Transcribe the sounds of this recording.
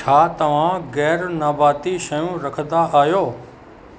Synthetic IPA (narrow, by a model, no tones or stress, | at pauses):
t͡ʃʰaːt̪ɐʋ̤ãɡɛːɾnabaːt̪iʃɐjũɾɐkʰd̪aʔaːjoː